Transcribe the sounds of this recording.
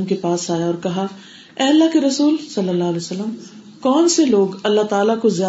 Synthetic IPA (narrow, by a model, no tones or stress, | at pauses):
mkepaːsaːjaɔːɾkɐɦa | ɛːɐlːaɦkeɾɐsuːlsɐlːəlːaɦəlɛːosəlːəm | kɔːnseloːɡɐlːaɦt̪aːlakozjaː